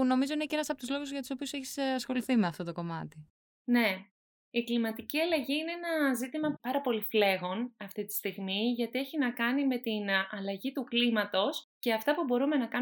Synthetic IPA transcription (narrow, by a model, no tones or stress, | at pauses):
no̞mizo̞ineceenɐsɐpot̪uzlo̞ɣuzʝɐt̪u̥so̞piuseçi̥sɐsxo̞liθimeɐft̪o̞t̪o̞ko̞mɐt̪i | ne̞ | iklimɐt̪iciɐlɐʝiineenɐzit̪imɐpɐɾɐpo̞lifle̞ɣo̞nɐft̪it̪i̥st̪iɣmiʝɐt̪ieçinɐkɐnime̞t̪inɐlɐʝit̪uklimɐt̪o̞sce̞ɐft̪ɐpubo̞ɾume̞nɐkɐ